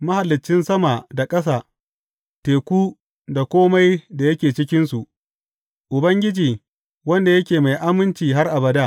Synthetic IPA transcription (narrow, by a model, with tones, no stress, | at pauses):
mɐ˦ha˨lːɪ˨t͡ʃːɪ˦nsɐ˦ma˨da˨kʼɐ˦s̬aː˦˨ | teː˨kʷuː˦ | da˨kʷoː˦ma˦jda˨jɐ˦kʲeː˨t͡ʃɪ˦kʲɪ˦nsu˨ʔ | ʔʊ˨bɐ˦ŋɡʲɪ˦d͡ʒiː˨ | wɐ˦nda˨jɐ˦kʲeː˨ma˨jʔa˦mɪ˦nt͡ʃiː˨ɦa˦rʔa˨bɐ˨daː˦